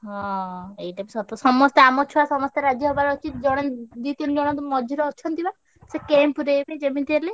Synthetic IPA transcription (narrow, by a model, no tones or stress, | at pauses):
ɦɔ̃ejʈapisɔt̪ɔsɔmɔst̪eamɔt͡ʃʰuasɔmɔst̪eɾad͡ʒjɔɦebaɾɔt͡ʃʰit̪d͡ʒɔɽ̃ed̪it̪inid͡ʒɔɽ̃ɔt̪umɔd͡ʒʱiɾɔːt͡ʃʰɔnt̪ʰiba | sekempuɾebed͡ʒemint̪iele